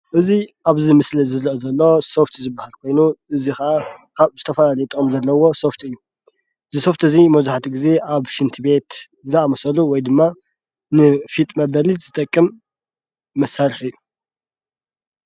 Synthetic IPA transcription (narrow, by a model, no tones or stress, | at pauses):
ʔɨziʔaβzimɨslizɨɾʔozɐlːo̞so̞ft̪ʰzɨbːahalkʰo̞jnuʔɨzikɐʔakʰaβzɨt̪ʰɐfɐlalɐjut̪ʼɨkʼɨmzɐlːɐwo̞so̞ft̪ɨjːu | ɨziso̞ft̪ɨzimɐβzaħat̪ʰiɡize̞ʔaβʃɨnt̪ʰɨbe̞t̪ | zɨnamɐsɐluwɔjd̪ɨmːa | nɨfit̪ʼmɐbɐliz̥ɨt̪ʼɐkʼːɨmː | ɐsaɾfɨjːu